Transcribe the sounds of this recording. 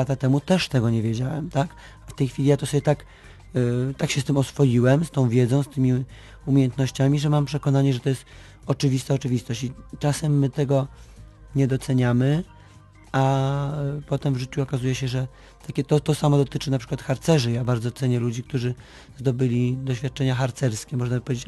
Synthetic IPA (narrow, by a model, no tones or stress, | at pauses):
at̪at̪ɛmut̪ɛʂt̪ɛɡɔɲɛvʲjed͡ʑawɛmt̪ak | aft̪ɛjxfʲilʲijat̪ɔsɔbʲjɛt̪ak | t̪akɕɛst̪ɘmɔsfɔjiwɛmst̪ɔ̃w̃vʲjɛd̪zɔ̃w̃st̪ɘmʲi | umʲjejɛnt̪nɔɕt͡ɕamʲiʐɛmampʂɛkɔnaɲɛʐɛt̪ɔjɛst̪ | ɔt͡ʂɘvʲist̪aɔt͡ʂɘvʲist̪ɔɕt͡ɕit͡ʂasɛmːɘt̪ɛɡɔ | ɲɛd̪ɔt̪sɛɲamɘ | a | pɔt̪ɛmvʐɘt͡ɕuɔkazujɛɕɛʐɛ | t̪akʲɛt̪ɔt̪ɔsamɔd̪ɔt̪ɘt͡ʂɘnapʂɘ̥kwat̪xaɾt̪sɛʐɘjabaɾd̪zɔt̪sɛɲɛlud͡ʑik̚t̪uʐɘ | zd̪ɔbɘlʲid̪ɔɕfʲjat̪̚t͡ʂɛɲaxaɾt̪sɛɾskʲɛmɔʐnabɘpɔvʲjed͡ʑet͡ɕ